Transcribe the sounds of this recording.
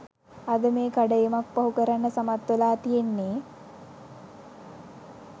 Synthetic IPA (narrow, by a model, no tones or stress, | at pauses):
ad̪əmeːkaɖəjemak̚paɦukəɾanːəsamat̪ʋelaːt̪ijenːeː